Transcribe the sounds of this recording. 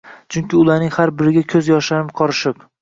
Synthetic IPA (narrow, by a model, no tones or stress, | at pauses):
t͡ʃʰʊŋkʲɪʊlˠaɾnɪŋhaɾbɪɾɪɡʲakʲʰɵzjɒʃaɾɪmqʰɒɾɪʃɪq